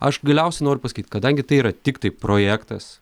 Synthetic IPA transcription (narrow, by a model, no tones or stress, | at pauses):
ɐʃɡɐlʲɛʊsʲɛɪnoːɾʲʊpɐsɐ̥kʲiːt̪ʲkɐd̪ɐŋʲɡʲɪt̪ɐɪiːɾɐt̪ʲɪkt̪ɐɪpɾoːjæːkt̪ɐs